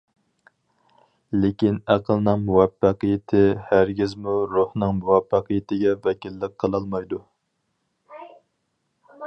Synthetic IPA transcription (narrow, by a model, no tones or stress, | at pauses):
lekʲinæqʰəlˠnɨŋmuwɛpːɑqəjɪt̪ʰɪhæɾɡʲizmuɾuhnɨŋmuwɛfːɑqʰəjɪt̪ʰɪɡʲɛvɛkʲilːɪkqʰəlˠɑlˠmɑjd̪u